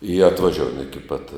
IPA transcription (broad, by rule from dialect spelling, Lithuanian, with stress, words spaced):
ɪ ɐtʋɐˈʒʲoːʊjɛm ɪkʲɪ pɐt